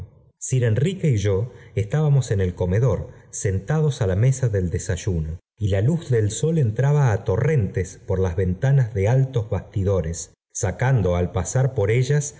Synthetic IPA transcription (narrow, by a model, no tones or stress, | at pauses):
siɾenrikeiʒo̞est̪aβamo̞se̞ne̞lko̞me̞ðo̞ɾse̞nt̪að̞o̞salame̞saðe̞ld̪e̞saʒuno | ilaluzðelso̞le̞nt̪ɾaβaːt̪o̞re̞nt̪espoɾlazβe̞nt̪anazðe̞alt̪o̞zβast̪iðo̞ɾesː | akand̪o̞alpasaɾpo̞ɾe̞ʒas